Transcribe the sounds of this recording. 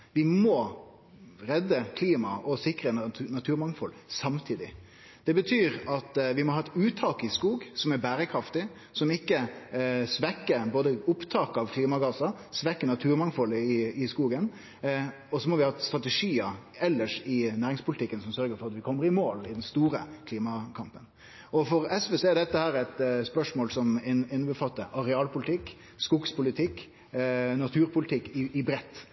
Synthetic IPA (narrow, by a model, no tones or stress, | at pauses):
ʋɪmɔ | ɾɛd̪ːəkʰliːmɑ̰ʔɔsɪkɾənnɑt̪ʰʉːɾmɑŋfɔlsɑmt̪ʰiːd̪ɪ | d̪̥ɛbət̪ʰyːɾɑt̪ʋɪmɔhɑːɛt̪ʉːt̪ʰɑːkəɪskuːɡsɔmæɾbæːɾəkʰɾɑft̪ɪ | sɔmɪkːəsʋɛkːəboːd̪əʊpt̪ʰɑːkəɑʋkʰliːmɑɡɑːsɑ | sʋɛkːənɑt̪ʰʉːɾmɑŋfɔləɪɪskuːɡən | ɔsɔmɔʋɪhɑst̪ɾɑt̪ɛʂiːəɛlːəʂɪnæːɾɪŋspʊlɪt̪ɪkːənsɔmsœɾɡəɾfɔʁɑt̪ʋɪkʰɔmːəɾɪmoːlɪd̪ɛnst̪uːɾəkʰliːmɑkʰɑmpən | ʔɔfɔɾɛsʋeːsɔɛɾd̪ɛt̪ːəhæːɾæt̪spœʂmoːlsɔmɪɪnːəbəfɑt̪ːəʔɑɾɛɑːlpʰʊlɪt̪ʰɪkː | skʊɡspʰʊlɪt̪ʰɪkː | nɑt̪ʰʉːɾpʰʊlɪt̪ʰɪkːɪɪbɾɛt̪ː